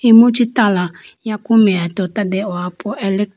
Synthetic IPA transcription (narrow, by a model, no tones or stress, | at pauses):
emot͡ʃitala | jakʊmeatɔt̪adɛɔapʰʊʔɛlɛ